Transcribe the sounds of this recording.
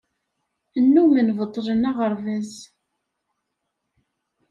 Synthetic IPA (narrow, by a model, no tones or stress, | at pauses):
ənːumənvət̪ˤːlənaʁəɾˤvæz